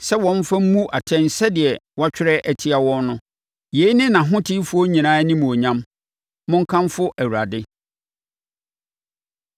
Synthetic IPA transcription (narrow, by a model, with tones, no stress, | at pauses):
sɛ˦wɔ̃˦n˦fa˦mũ˦ʔa˨tʰɛ̃˦n̩˨sɛ˦dɪ˨ɛ˨wa˦t͡ɕᶣɪ˦ɾɛ˦ʔæ˨tʰi˦a˨wɔ̃˦nnʊ̃˦ | je˨˦i˦nɪ̃˦nã˨ɦʊ̃˦tʰɪ˦fʊ˦o˦ɲĩ˨nãː˦nĩ˦m̃˨o˨ɲã˦m | mʊ̃˦ŋ̩˦kʰã˦mfʊ˦ʔæ˨wu˨ɾa˨dɪ˦